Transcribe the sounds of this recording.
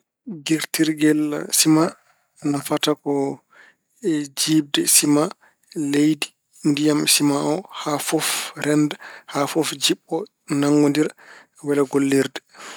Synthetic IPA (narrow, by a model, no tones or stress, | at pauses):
ɡiɾtiɾɡɛlsima | nafatakɔ | d͡ʒiːb̚dɛsima | lejdi̥ | ndijamsimaʔɔhafɔfɾɛndɛhafɔfd͡ʒiɓːɔ | naŋɡondiɾ | wɛlɛɡolːiɾdɛ